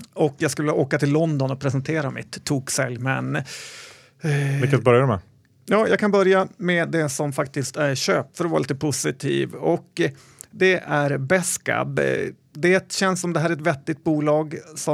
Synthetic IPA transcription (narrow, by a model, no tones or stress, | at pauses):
ɔkːjɑːɡskɵlːəoːkat̪ʰɪlːɔnd̪ɔnɔpʰɾɛsənt̪ʰeːɾamɪ̰t̪ʰːuːksɛljmɛn | vɪkːasbœɾjamɛ | jɑːjɑːɡkʰanbœɾjamɛd̪ɛsɔmfak̚t̪ɪst̪æɾɕøːp̚t̪fœɾɔva̰ɾliːt̪əpʰʊsɪt̪ʰḭːvɔk | d̪ɛʔæɾbɛska̰b | d̪ɛt̪ɕɛnsɔmd̪ɛɦæːɾɛt̪vɛt̪ːɪt̪̚buːlɑːɡsɔ